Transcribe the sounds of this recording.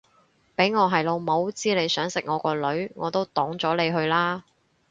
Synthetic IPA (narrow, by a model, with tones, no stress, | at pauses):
pe˨˥jŋɔː˨˧ɦɐ˨jlo˨˧wmo˨˥wt͡siː˥le˨˧jsœː˨˥ŋsɪ˨k̚ŋɔː˨˧kɔː˧lɵ˨˥ɥŋɔː˨˧t̪o˥wt̪ɔː˨˥ŋt͡ʃɔː˨˥le˨˧jɦɵ˧ɥlaː˥